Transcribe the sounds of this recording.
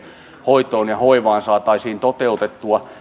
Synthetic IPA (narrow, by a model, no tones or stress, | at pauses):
hoit̪oːnjɑhoiʋɑːnsɑːt̪ɑisiːnt̪ot̪eut̪et̪ːuɑ